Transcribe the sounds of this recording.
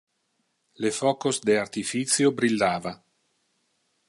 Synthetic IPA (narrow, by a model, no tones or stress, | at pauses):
lefɔːkosd̪eart̪ifit̪sjobɾilːaːva